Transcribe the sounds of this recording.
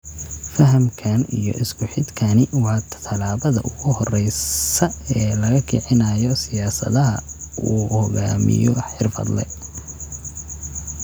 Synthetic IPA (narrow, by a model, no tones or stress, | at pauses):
fɐɦɐmkʰanijɔ̰ʔɪskʰʊħɪd̪kʰanɪwɑːt̪ʰt̪ʰɐlaːβɐðɐ̰ʔʊɣʊhɔrɛjɐɛːlɐɣɐkʰḭʕɪnaːjɔsɪjaːsɐ̰ðɐɦɐuːhɔɣaːmɪ̰jɔħɪrfɐ̰d̪lɛ̰